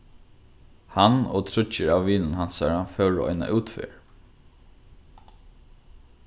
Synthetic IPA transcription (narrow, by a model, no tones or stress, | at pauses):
hano̰ːt̪ʰɾʏt͡ʃəɹaːʋʋiːnənhansaɹafœʊɾo̰ːʔɔ̰ɪna̰ʔʉːt̪fɪ̰ɹ